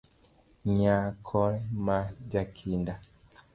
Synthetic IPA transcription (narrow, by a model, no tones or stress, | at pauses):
ɲakʰɔlmad͡ʒakʰinda